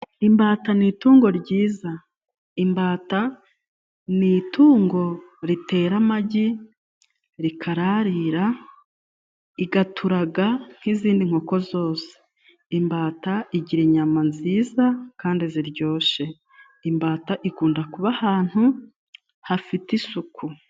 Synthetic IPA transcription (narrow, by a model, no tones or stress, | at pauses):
imbaːtanituːŋɡo̞ɾɟiːza | imbaːta | nituːŋɡo̞ɾite̞ːɾamaɟi | ɾikʰaɾaɾiɾa | iɡatʰuɾaɡaŋ̥hiziːndiŋ̥o̞ko̞zo̞ːse̥ | imbaːtaiɟiɾiɲamanziːzakaːndiziɾɟo̞ːʃe̞ | imbaːtaʔikuːndakuβahaːn̥hu | hafitisukʰu